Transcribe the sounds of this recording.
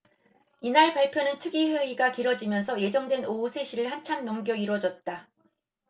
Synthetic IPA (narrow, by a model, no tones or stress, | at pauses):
inaɭpaɭpʰjonɯntʰɯɡiɸeiɡakiɾwʌd͡ʑimjʌnsʰʌje̞d͡ʑʌŋdwe̞nousʰe̞ɕʰiɾɯɭhant͡ɕʰamnoŋɡjʌiɾwʌd͡ʑʌt̚t͈a